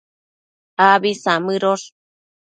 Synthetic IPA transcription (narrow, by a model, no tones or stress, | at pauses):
aβisamɨɾoʂ